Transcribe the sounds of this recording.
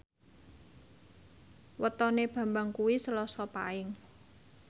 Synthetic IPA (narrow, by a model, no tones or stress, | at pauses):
wət̪ɔneb̥ä̤mbaŋkuwisəlɔsɔpa̰ɪŋ